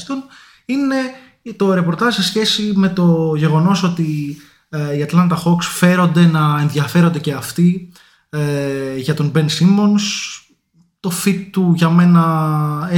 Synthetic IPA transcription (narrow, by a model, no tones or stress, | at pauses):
t̪o̞n | ine̞ | t̪o̞ɾe̞po̞ɾt̪ɐʒse̞sçe̞sime̞t̪o̞ʝe̞ɣo̞no̞so̞t̪i | iɐt̪lɐnt̪ɐxo̞ksfe̞ɾo̞nd̪e̞nɐe̞nðjɐfeɾo̞nd̪e̞ce̞ɐft̪i | ʝɐt̪o̞nbe̞nsimo̞ns | t̪o̞fit̪ːuʝɐme̞nɐe